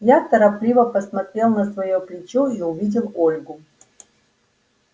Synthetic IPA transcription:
jat̪əɾɐplʲivəpəsmɐt̪ɾʲe̞lˠnəsvɐjoplʲɪt͡ɕoiʊvʲidʲɪlˠolʲɡʊ

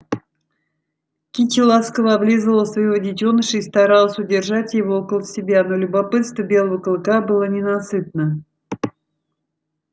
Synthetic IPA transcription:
kʲit͡ɕɪlˠaskəvəablʲizəlˠəsvɐjodʲɪtʲonɨʂəist̪aɾalˠəsʲʊdʲɪrʐatʲjɪvookəlˠəsʲɪbʲano̞lʲʊbapɨt̪st̪vəbʲe̞lˠəvəklˠkabɨlˠənʲɪnasɨt̪̚nə

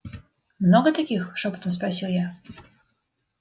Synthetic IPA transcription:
mnɔɡɔt̪akʲixʂɔpt̪ɔs̬pɾaɕʲujɛ

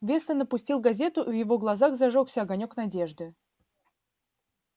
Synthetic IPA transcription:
vʲe̞snənəpʊsʲtʲilˠɡɐzʲe̞t̪ʊʔvjɪvo̞ɡlˠɐzaxzɐʐoksʲəɐɡɐnʲo̞knɐdʲe̞ʐd̪ɨ

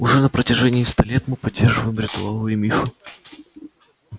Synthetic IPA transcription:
ʊʐɛnəpɾətʲɪʐɛnʲɪːst̪alʲet̪mɨpɐdʲːerʐɨvəjɪmɾʲɪt̪ʊalˠɨɪmʲifɨ

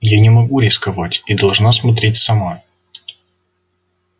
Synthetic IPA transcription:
janʲɪmɐɡuɾʲɪskɐvatʲid̪ɐlˠʐnasmɐt̪̬ɾʲetʲsɐmoj

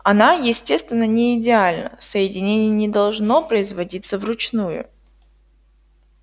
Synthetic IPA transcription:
ɐnajɪsʲtʲe̞st̪vʲɪnːənʲɪɪdʲɪalʲnə̰səjɪdʲɪnʲenʲɪjənʲɪd̪ɐlˠʐnopɾəɪzvɐdʲit̪səvrʊt͡ɕnujʊ̰

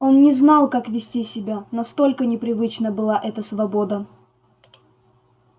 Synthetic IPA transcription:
o̞nnʲɪznɑlˠkakvʲɪsʲtʲisʲɪbʲanɐst̪o̞lʲkənʲɪpɾʲɪvɨt͡ɕnəbɨlˠaʔɛt̪əsvɐbo̞d̪ə

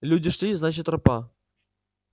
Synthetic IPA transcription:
lʲudʲɪʂlʲiznat͡ɕɪt̪rɨpa

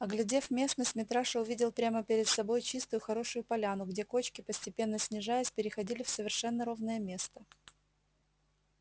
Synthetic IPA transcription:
ɐɡlʲɪdʲe̞vmʲe̞snəsʲtʲmʲɪt̪ɾaʂəʊvʲidʲɪlˠpɾʲaməpʲɪɾʲɪt̪sɐbo̞jt͡ɕist̪ʊjʊxɐɾo̞ʂʊjʊpɐlʲanʊɡdʲe̞ko̞t͡ɕkʲɪpəsʲtʲɪpʲe̞nːəsʲnʲɪʐajʲɪsʲpʲɪɾʲɪxɐdʲilʲɪfsəvʲɪrʂɛnːəɾo̞vnəjəmʲe̞st̪ə

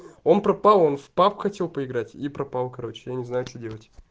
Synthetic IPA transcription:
o̞npɾɐpalˠo̞nfpapxɐtʲe̞lˠpəɪɡɾatʲipɾɐpalˠkɐɾo̞t͡ɕɪjanʲɪznajʊt͡ɕodʲe̞lˠətʲ

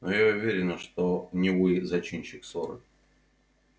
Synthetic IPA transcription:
nojaʊvʲeɾʲɪnəʂt̪onʲɪvɨjzɐt͡ɕinʲɕɪksoɾə̰

